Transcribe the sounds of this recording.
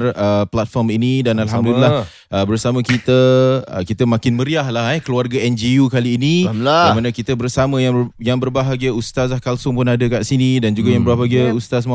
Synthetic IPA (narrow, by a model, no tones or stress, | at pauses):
rəplat̪̚fɔrminidanalɦamd̪ulila | ʔəbərsamə̃kit̪əə̰kit̪əmãkɪnməɾiahlahɛhkəluarɡaɛnd͡ʒiukaliːnĩmanəkit̪əbərsamə̃jajaŋbərbaɦaɡiəust̪aslahkalsʊŋpʊnadəkaʔsinidand͡ʒuɡajãŋbərabaɡiəust̪as̬ma